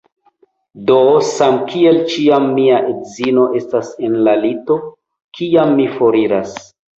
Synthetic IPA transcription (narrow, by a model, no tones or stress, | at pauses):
dosamkʰie̞lt͡ʃiamːiaʔedzino̞ʔe̞stase̞nlalito̞ | kʰiamːifo̞ɾiɾas